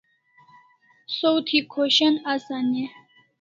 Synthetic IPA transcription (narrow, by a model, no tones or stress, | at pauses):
sowt̪ʰikʰoɕɐnasane